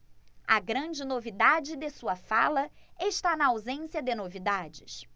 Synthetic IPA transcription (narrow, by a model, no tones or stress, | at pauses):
ɐ̰ɡɾɐ̃d͡ʒɪnovid̪ad͡ʒɪd̪esuɐfalɐeʃt̪anɐawzẽsjɐd̪ɪnovid̪ad͡ʒɪ̰s